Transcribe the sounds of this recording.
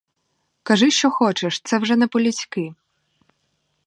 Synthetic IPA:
kɐʒɪʃt͡ʃɔxɔt͡ʃɛʃt̪sɛwʒɛnɛpɔlʲit͡sʲkɪ

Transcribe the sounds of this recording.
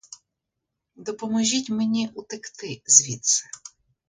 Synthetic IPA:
d̪ɔpɔmɔʒʲitʲmenʲiʔut̪ɪkt̪ɪzʲʋʲit̪sɐ̥

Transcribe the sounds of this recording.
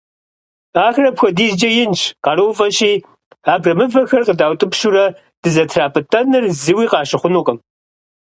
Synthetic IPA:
aːxrɐpxʷɐdiːzd͡ʒɐjɪnt͡ʃqɑɾɨwfʼɐʃiː | aːbrɐmɨvɐxɐrqədaːwtʼɨpʃuɾɐ | d̥ɨzɐtʰraːpʰʼɨtʰʼɐnɨrzɨwiːqɑːɕɪχʷʊnuːqʼɐm

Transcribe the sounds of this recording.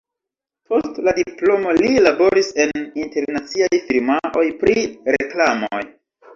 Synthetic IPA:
po̞stladiplo̞mo̞lilabo̞ɾise̞ninte̞ɾnat͡siajfiɾmaʔo̞jpɾiɾeklamo̰j

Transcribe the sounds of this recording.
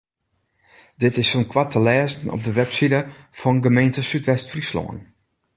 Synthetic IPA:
dɪtɪsonkʰwatʰəlɛːzən̩ɔ̰p̚dəʋɛpsidəfɔnɡəmejntəsytʋɛstfrislo̰ːən

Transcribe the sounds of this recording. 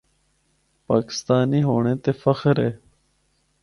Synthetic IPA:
paːkɪ̥st̪aːniːɦoːɳẽːt̪eːfəxɾeː

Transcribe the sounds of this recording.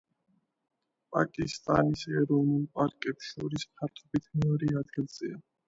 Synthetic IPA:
pʼa̰kʼist̪ʼanisɛɾɔvnulˠpʼaɾkʼɛpʃɔɾispʰaɾt̪ʰɔbit̪ʰmɛɔɾiad̪̚ɡilˠz̥ia

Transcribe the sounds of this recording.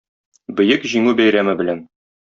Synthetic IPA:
bɘ̆jɘkʑiŋʉbæjɾæmɘbɘ̆læn

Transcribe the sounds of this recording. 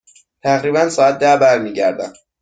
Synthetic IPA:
t̪ʰæɣɾiːbænsɒːæt̪̚d̪æbæɾmiːɟæɾd̪æ̰m

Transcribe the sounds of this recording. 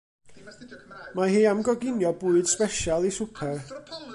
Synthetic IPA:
maɦiːamɡɔɡɪnjɔbuːɨd̥spɛʃalˠisʊpʰɛr

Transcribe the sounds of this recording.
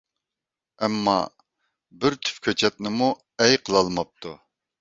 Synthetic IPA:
ɛmːɑ̰ | bɪɾt̪ʰy̥pkʲʰøt͡ʃʰɛt̪̚nɪmu | ɛjqʰəlˠɑlˠmɑp̚t̪ʰu

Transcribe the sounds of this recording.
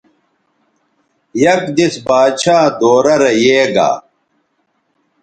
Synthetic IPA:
jɐkd̪isbaːɕaːd̪oːɾɐɾɐjeːɡa̰ː

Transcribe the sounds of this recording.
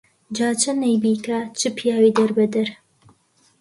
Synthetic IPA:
d͡ʒaːt͡ʃʰɐnɐjbiːkat͡ʃʰɨpʰjaːwiːd̪ɐɾbɐd̪ɐɾ

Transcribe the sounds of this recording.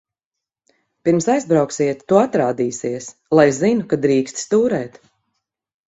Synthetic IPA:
piɾmsajzbɾawksiɛt̪ːuat̪ɾaːd̪iːsiɛs | lˠajzinukad̪ɾiːkst̪st̪uːɾɛːt̪

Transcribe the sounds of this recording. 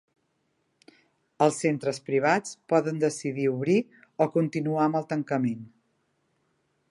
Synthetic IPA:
əlˠsːent̪ɾəspɾiβ̞at͡spɔðənd̪əsiðiuβɾi | ɔkunt̪inuaməlˠt̪əŋkəmen

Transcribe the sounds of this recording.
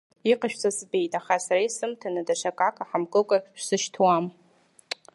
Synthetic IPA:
iqʼaʃᶣt͡sʰʼazbe̞jtʼaχasaɾaisɨmtʰanadaʂakʼakʰʼaħamɡʼɨkʷʼaʃᶣʷsɨʃtʰwam

